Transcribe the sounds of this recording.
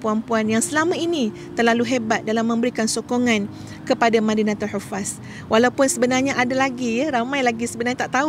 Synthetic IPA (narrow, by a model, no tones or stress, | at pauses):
puanpuanjaŋsəlamãini | t̪ərlaluɦebat̪̚dalamːə̃mbəɾikansokoŋãn | kəpadamadinãt̪aħufas | walawpʊnsəbənarɲaʔadalaɡiɾamãjlaɡisəbənarɲat̪aʔt̪au